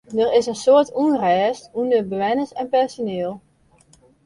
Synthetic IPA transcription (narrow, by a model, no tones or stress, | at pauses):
dərɪsənsoəɹtunrɛːstundəbəʋɛnəsɛnpɛɹsoneːlˠ